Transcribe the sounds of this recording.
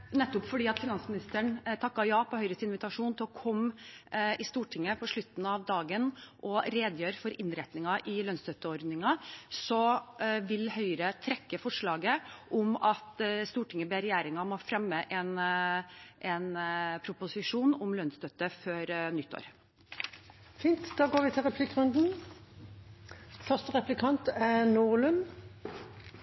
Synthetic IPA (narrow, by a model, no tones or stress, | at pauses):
nɛt̪ːʊpfɔɖiːɑt̪fɪnɑnsmɪnɪst̪əɳt̪ʰɑkːɑjɑːpʰɔhœʏɾəst̪ɪnʋɪt̪ɑʂuːnt̪ʰɪlɔkʰɔm | ɪst̪uːʈʰɪŋːəpʰɔʂɭʉt̪ːn̩ɑʋd̪ɑːɡənʔɔɾeːd̪jøːɾfɔɾɪnɾɛt̪nɪŋɑʔɪlœnst̪ʰœt̪əɔɾd̪nɪŋɑsɔʋɪlhœʏɾət̪ʰɾɛkːəfɔʂɭɑːɡəʔɔmɑt̪st̪uːʈɪŋːəbɛɾɛjæːɾɪŋɑmɔːfɾɛmːəʔɛn | ʔɛnpʰɾʊpʊsɪʂuːnɔmlœnst̪œt̪ːəføɾnʏt̪ʰːo̰ːɾ | fiːnt̪d̪̥ɑːɡoːʁʋɪt̪ʰɪlʁɛpʰlɪkːʁʉnd̪n̩ | fœʁst̪əʁɛplɪkʰɑnt̪ænuːʁlʉm